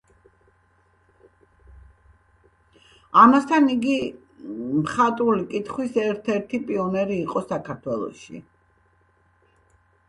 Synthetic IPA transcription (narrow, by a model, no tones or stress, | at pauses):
amast̪ʰaniɡi | mχat̪ʼulikʼit̪ʰχwisɛɾt̪ʰɛɾt̪ʰipʼiɔnɛɾiːqʼɔsakʰaɾt̪ʰwɛlˠɔ̰ʃḭ